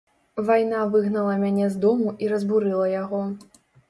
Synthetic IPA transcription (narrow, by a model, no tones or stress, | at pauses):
vajn̪avɨɣnɐlˠɐmʲanʲɛzd̪ɔmuʔiɾɐzbuɾɨlˠɐjaɣɔ